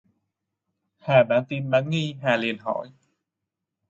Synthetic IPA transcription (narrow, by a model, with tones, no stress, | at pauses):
haː˨˩ɓaː˧˩nt̪i˧˩mla˨˦ŋŋi˧ɦaː˨˩li˨˩ənɦɔ̰˧˩˨j